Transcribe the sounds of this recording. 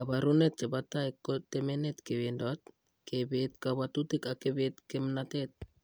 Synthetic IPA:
abaɾunet̚t͡ʃebatajkːot̪emenetkeβendot̪̚ | kebet̚kaβat̪utikakeβet̪kemnatet̪̚

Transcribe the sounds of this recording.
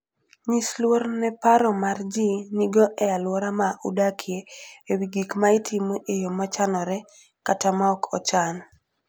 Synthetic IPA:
ɲislwoɾnɛpaɾɔmard͡ʒiniɡɔʔɛalwɔɾamaʔṵdakʰjeewiɡikmaitʰimoʔejomat͡ʃanɔɾɛ | katamaɔkʰɔt͡ʃan

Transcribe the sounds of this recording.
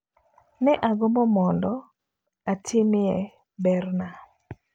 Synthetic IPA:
nɛʔaɡɔmɔmɔndɔ | atʰɪmɪɛ | bɛrna

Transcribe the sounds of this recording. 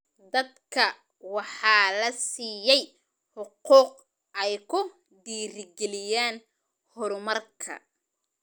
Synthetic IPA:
d̪ɐd̪kʰɐ | wɑħɑːlɐsiːjɛj | ħʊquːq̚ | ɛjkʰʊ | d̪iːrɪɡɛlɪjaːn | hɔɾmɐrkʰɐ̰

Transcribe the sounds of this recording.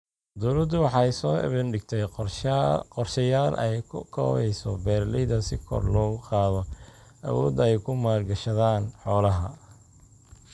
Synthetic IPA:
d̪ɔːlɐd̪ʊwɑħɑjsɔːɪ̰βɪnɖɪɡt̪ʰɛj | qɔrʃɐjaːlʔɛjkʰʊkʰɔ̰ːβɛjsɔbɛːrlɪðɐsɪkʰɔ̰rlɔːɣʊqɑːðɔʔɐ̰wɔ̰ːd̪ɛjkʰʊmaːlɡɐʃɐðaːnħɔːlɐɦɐ

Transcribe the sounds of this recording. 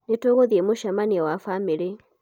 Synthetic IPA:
netoɣoðjemoʃamaniawafamiɾe

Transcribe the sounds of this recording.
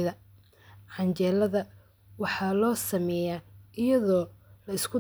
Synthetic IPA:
ɪðɐ | ħɑnt͡ʃɛːlɐðɐ | wɑħɑːlɔːsɐmɛːjaːʔɪjɐðɔːlɐɪskʰʊ

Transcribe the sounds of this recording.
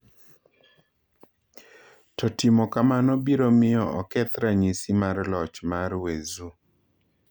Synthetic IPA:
tɔtɪmɔkamanɔbiɾomɪjɔɔkɛt̪ɾaɲisimarlɔt͡ʃmarwezu

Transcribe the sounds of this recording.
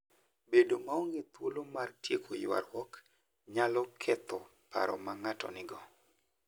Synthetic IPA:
bedomaɔŋɡɪt̪wolomartjekʰojwa̰rwɔk | ɲalɔkʰɛt̪ɔ | pa̰ɾɔ̰maŋatɔ̰nɪɡɔ

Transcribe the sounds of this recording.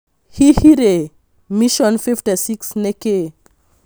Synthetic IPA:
hihiɾe | miʃɔnfifʈesiksneke

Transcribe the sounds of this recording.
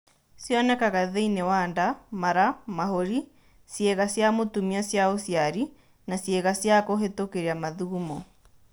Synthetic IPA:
sjɔnɛkaɣaðeinɛwandamaɾamahoɾi | sjɛɣasjamotumiasjaosjaɾi | nasjɛɣasjakoɦetokeɾeamaðuumɔ

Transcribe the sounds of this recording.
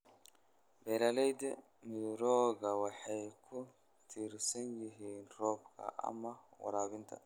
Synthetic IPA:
bɛlalɛjd̪ɛ | mɪd̪ɾɔːɡɐwɑħajkʰʊ | t̪ʰiɾsɐnjɪɦiːnrɔːbkʰɐ̰ʔɐ̰mːɐwɐ̰ɾaːβɪnt̪ʰɐ̰

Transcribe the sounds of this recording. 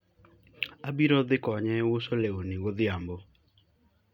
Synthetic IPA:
abiɾɔd̪ɪkɔɲɛwosolewonɪwod̪ɪambo

